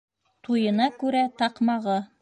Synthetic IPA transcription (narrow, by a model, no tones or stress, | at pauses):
t̪ʰujɤ̆nɑkʉɾæt̪ɑqmɑʁɤ